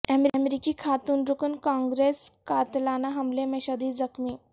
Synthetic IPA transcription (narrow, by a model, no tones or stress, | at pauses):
ɛmmɾikikʰat̪uːnɾukənkãŋɡɾeskat̪lanaɦɐmlemɛɕad̪iːzəkmi